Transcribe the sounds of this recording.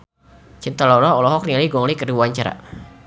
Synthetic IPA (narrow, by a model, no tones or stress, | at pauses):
t͡ʃint̪alɔlɔɔlɔɦɔk̚nialiɡɔŋlikəɾiwaɲt͡ʃaɾa̰